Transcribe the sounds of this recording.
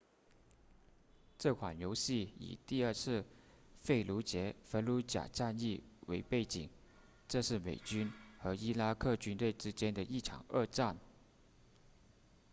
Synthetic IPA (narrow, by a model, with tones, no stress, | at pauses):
ʈ͡ʂɤ˥˩kʰwa˨˩njo˧˥ʊɕi˥˩ḭ˨˩t̪i˥˧ə˞˥˧t͡sʰɹ̩˥˧ | fe˥˩ɪlu˧˥t͡ɕjɛ˧˥fə˧˥nlu˧˥t͡ɕja̰˨˩ʈ͡ʂa˥˧ni˥˩we˧˥ɪpe˥˩ɪt͡ɕḭ˨˩˦ŋ | ʈ͡ʂɤ˥˧ʂɻ̩˥˩mḛ˨˩ɪt͡ɕy˥nxɤ˧˥i˥la˥kʰɤ˥˩t͡ɕy˥nt̪we˥˩ɪʈ͡ʂɻ̩˥t͡ɕjɛ˥nd̪ə˨ʔi˥˩ʈ͡ʂʰɑ̰˨˩ŋə˥˧ʈ͡ʂa˥˩n